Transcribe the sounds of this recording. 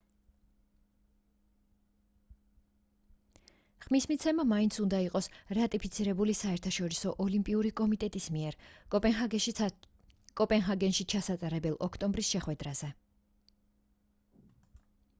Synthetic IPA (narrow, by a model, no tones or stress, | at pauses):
χmismit̪sʰɛmamaint̪sʰund̪aiqʼɔsɾat̪ʼipʰit̪sʰiɾɛbulisaɛɾt̪ʰaʃɔɾisɔʔɔlimpʼiuɾikʼɔmit̪ʼɛt̪ʼismiɛɾʼɔpʼ | kʼɔpʼɛnɦaɡɛnʃit͡ʃʰasat̪ʼaɾɛbɛlˠʔɔkʰt̪ʼɔmbɾisʃɛχwɛd̪ɾaz̥ɛ